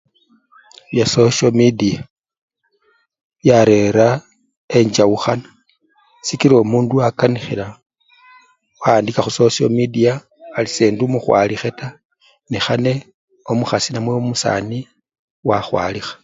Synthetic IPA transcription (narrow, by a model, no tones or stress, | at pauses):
βjasoʃomidia | jaɾe̞ɾa | e̞ɲd͡ʒawuxanḁ | sikiɾoːmuːnduakanixila | waːndikaxuso̞so̰midiaː | liseːndumuxwa̰lixe̞ta | nexane̞ | omuxasinamweomusa̰ːni | waxwa̰ːlixḁ